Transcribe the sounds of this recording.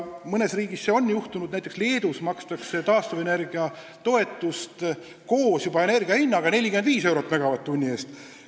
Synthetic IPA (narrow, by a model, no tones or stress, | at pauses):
mɤne̞sriːɡ̥isːeo̞nːjuht̪unud̥̪næjt̪ːˑeksle̞ːd̪usmɑkst̪ɑkse̞t̪ɑːst̪ɑve̞ne̞rɡiɑ | t̪o̞e̞t̪ːˑust̪ | ko̞ːsjubɑe̞ne̞rɡiɑhinːɑɡ̥ɑne̞lʲikymend̪viːse̞wɾo̞t̪ːˑmæɡ̥ɑvɑt̪ːunʲːie̞ːst̪